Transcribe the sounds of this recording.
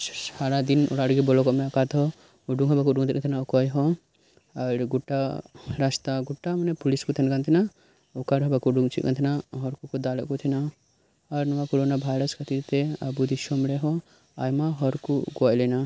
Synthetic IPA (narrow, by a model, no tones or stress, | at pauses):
aɾad̪inɔ̰ɽaɽɡibɔlɔkɔmɛɐkat̪ɦɔ | uɖuŋɡɦɔbakuɖuŋɡt̪ʰitknt̪ʰinaukɔjɦɔ | ɐɾɡuʈːaɾast̪aɡuʈːamɐnɛpuliskut̪ʰɐnkant̪ʰina | ukaɽɦɔbakuɖuŋt͡ʃʰḭt̪kɐ̰nt̪ʰinaɦɔɾkukud̪alɔ̰kut̪ʰina | ɐɾnɐʋakoɾonabʱaːjɾəskʰɐt̪iɾt̪eɐbud̪iʃɔmɽeɦɔ | a̰jmaɦɔɾkuɡɔjlɛna